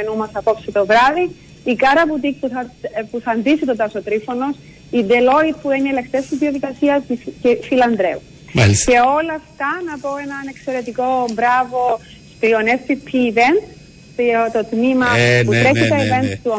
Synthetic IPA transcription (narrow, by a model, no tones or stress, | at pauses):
enumɐsɐpo̞psit̪o̞vɾɐði | ikɐɾɐput̪ik̚puθɐpuθɐːnd̪isit̪ot̪ɐsot̪ɾifo̞no̞s | id̪elo̞it̪̚puenielekt̪est̪izðioðikɐsiɐscefilɐnd̪ɾe̞u | ce̞o̞lɐft̪ɐnɐpo̞e̞nɐne̞kse̞ɾe̞t̪iko̞mbɾɐvo̞ | st̪ioneft̪ipʰiːvent̪ | t̪t̪ot̪mimɐput̪ɾeçit̪ɐive̞nt̪t̪uo